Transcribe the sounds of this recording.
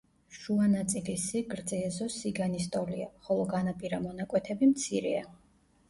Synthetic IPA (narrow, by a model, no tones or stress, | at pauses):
ʃuanat̪sʼilisiɡɾd̪zɛazɔsiɡanist̪ʼɔliaχɔlˠɔɡanapʼiɾamɔnakʼwɛt̪ʰɛbimt̪sʰiɾɛa